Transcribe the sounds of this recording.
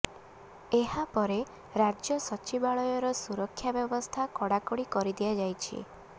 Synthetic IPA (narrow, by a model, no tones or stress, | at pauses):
eɦapɔɾe | ɾad͡ʒjɔsɔt͡ʃibaɭɔjɔɾɔsuɾɔkʰːjabjɔbɔst̪ʰakɔɽakɔɽikɔɾid̪iad͡ʒajt͡ʃʰḭ